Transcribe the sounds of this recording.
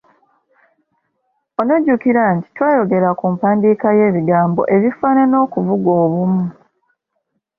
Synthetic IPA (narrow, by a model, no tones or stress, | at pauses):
onoɟukiɾanti̥twaːjo̞ɡe̞ɾakumpaːndiːkaje̞ːβiɡaːmbo̞̰ʔe̞βifaːnano̞ːkuvuɡo̞ːβumu